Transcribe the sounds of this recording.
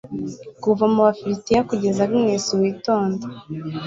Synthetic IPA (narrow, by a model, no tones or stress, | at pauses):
kuvamuβafiɾitijakuɟe̞zaɡimŋeːsiwiːto̞ːndo